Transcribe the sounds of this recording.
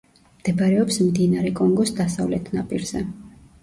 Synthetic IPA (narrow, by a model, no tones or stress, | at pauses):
md̪̥ɛbaɾɛɔpsmd̪inaɾɛkʼɔŋɡɔsd̪asavlɛt̪ʰnapʼiɾz̥ɛ